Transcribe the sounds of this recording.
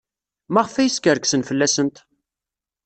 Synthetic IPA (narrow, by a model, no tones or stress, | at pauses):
mæʁəfæjəskəɾksənfəlːæsənt̪